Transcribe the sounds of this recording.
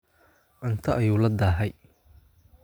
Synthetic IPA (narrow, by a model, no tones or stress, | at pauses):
ʔɪnt̪ʰɐʔɐjuːlɐd̪aːɦɛj